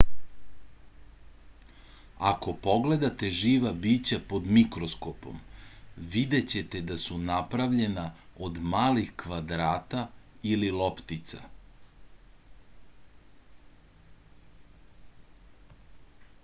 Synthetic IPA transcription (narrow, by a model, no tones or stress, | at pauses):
a̰ko̞po̞ɡle̞d̪at̪e̞ʒiːʋabiːt͡ɕapo̞d̪mikɾo̞skopo̞̰mʋid̪e̞t͡ɕe̞t̪e̞d̪asunapɾaʋʎe̞naod̪maːlixkʋad̪ɾaːt̪aililo̞pt̪it̪sa̰